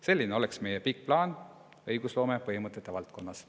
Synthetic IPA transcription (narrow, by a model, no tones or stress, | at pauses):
se̞lːineo̞leksme̞jepik̚plɑːn | ɤjɡ̥uslo̞ːme̞pɤɦimɤt̪ːˑe̞t̪ːˑe̞vɑlt̪̚ko̞nːɑs